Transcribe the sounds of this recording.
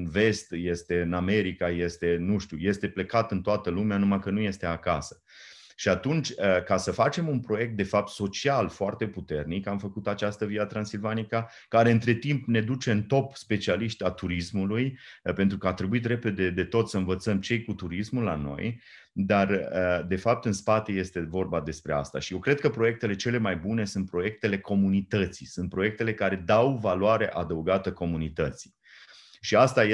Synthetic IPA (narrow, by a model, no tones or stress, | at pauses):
ɨnve̞st̪je̞st̪e̞ɨname̞ɾikaje̞st̪e̞nuʃt̪ʲjuje̞st̪e̞ple̞kat̪ɨnt̪oat̪əlumeanumajkənuje̞st̪e̞akasə̥ | ʃiat̪unt͡ʃʲəkasəfat͡ʃe̞munpɾo̞je̞k̚t̪d̪e̞fap̚t̪so̞t͡ʃialfoart̪e̞put̪e̞rnikamfəkut̪at͡ʃast̪əviat̪ɾansilvanika | kaɾeɨnt̪ɾe̞t̪impne̞d̪ut͡ʃe̞ɨnt̪o̞pspe̞t͡ʃialiʃt̪ʲat̪uɾismulujpe̞nt̪ɾukəat̪ɾebuit̪re̞pe̞d̪e̞d̪e̞t̪o̞t̪səɨnvət̪səmt͡ʃe̞jkut̪uɾismulːa̰no̞̰j | d̪arəd̪e̞fap̚t̪ɨnspat̪e̞je̞st̪e̞vo̞rbad̪e̞spɾe̞a̰st̪a̰ʃije̞wkɾe̞d̪̚kəpɾo̞je̞k̚t̪e̞le̞t͡ʃe̞le̞majbune̞sunt̪̚pɾo̞je̞k̚t̪e̞le̞kʰo̞munit̪ət̪sisunt̪̚pɾo̞je̞k̚t̪e̞le̞kaɾe̞d̪awvalwaɾe̞ʔad̪əwɡat̪əko̞munit̪ət̪si̥ | ʃiast̪aje